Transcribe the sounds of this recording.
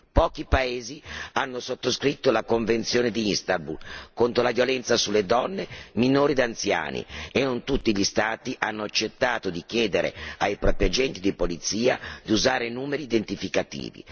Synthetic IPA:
pɔːkipaeːzianːosot̪ːoskɾit̪ːolakoɱvent̪sjoːned̪iinst̪albulkont̪ɾolavjolɛnt̪sasulːed̪ɔnːeminoːɾid̪ant̪sja̰ːnḭenːont̪ut̪ːiʎist̪aːt̪iʔanːoat͡ʃːet̪ːaːt̪od̪ik̟jɛːd̪eɾḛajpɾɔːpɾiad͡ʒɛnt̪id̪ipolit̪siːad̪iuzaːɾenuːmeɾiːd̪ent̪ifikat̪ḭːvḭ

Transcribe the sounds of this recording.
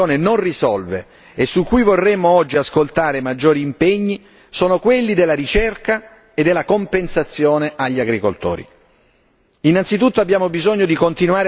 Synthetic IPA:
oːnenonrizɔlvḛ | esːukːujvorːɛmːoɔd͡ʒːiaskolt̪aːɾemad͡ʒːoːɾiːmpeɲːi | soːnokwelːid̪elːaɾit͡ʃɛrka | ed̪ːelːakompensat̪sːjoːneʔaʎːiaɡɾikolt̪o̰ːɾḭ | inant̪sit̪ut̪ːoabːjaːmobizoɲːod̪ikont̪inwaːɾ

